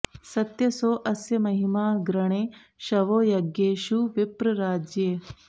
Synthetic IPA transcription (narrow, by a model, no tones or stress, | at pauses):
sɐt̪jɐsoːʔɐsjɐmɐɦimaːɡɾɐɳeː | ʃɐʋoːjɐɡjeːʃuʋipɾɐɾaːd͡ʒjeː